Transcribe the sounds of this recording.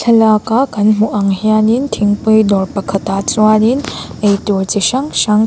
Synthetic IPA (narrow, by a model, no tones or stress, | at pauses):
ɬʰɐlakakɐnmuʔaŋhijanintʰiŋpɯjdɔɾpɐkʰɐtat͡ʃuwaninejtuɾtiʃaŋsaŋ